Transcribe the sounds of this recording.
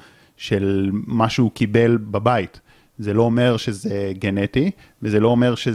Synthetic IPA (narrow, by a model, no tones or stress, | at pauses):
ʃelmaʃukibe̞lbabait | zelo̞ːme̞ʁʃezeɡeneti | vezelo̞ːme̞ʁʃe